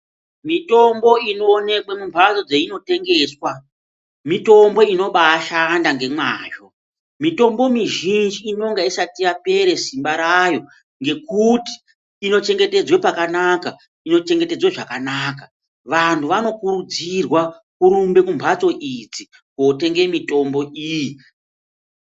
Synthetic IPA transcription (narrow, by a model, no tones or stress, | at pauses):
mito̞mbo̞ino̞ːne̞kwemumbʰʱat͡so̞d͡zeino̞te̞ŋɡe̞ːswa | mito̞mbo̞ino̞ɓaʃandaŋɡe̞mwaːʒo̞ | mito̞mbo̞miʒind͡ʒiːno̞ŋɡaisatijape̞ɾe̞simbaɾajo̞ | ŋɡe̞kuti̥ː | no̞t͡ʃe̞ŋɡe̞te̞d͡zwe̞pakanaka | ino̞t͡ʃe̞ŋɡe̞te̞d͡zweʐakanaːka | ʋantʰuʋano̞kuɾud͡zirwa | kuɾumbe̞kumbʱat͡so̞ʔid͡zi | kote̞ŋɡe̞mito̞mbo̞ʔiji